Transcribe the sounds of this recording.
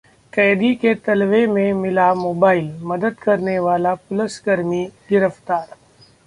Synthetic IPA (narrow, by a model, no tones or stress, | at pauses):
kɛːd̪iket̪ɐlʋemẽmɪlamoːbaːɪlmɐd̪əd̪kɐɾneʋaːlapʊlɪsɡɐɾmiɡɪɾəft̪aːɾ